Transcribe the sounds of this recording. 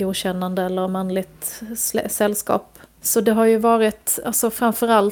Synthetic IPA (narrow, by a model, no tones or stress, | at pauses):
uːd̪ɕɛnːand̪əɛlːəɾmanlɪɡ̚t̪ | sɛlːskɑ̰ːpsɔd̪ɛɦaɾjɵvɑːɾɪt̪a̰lsɔfɾamfœɾal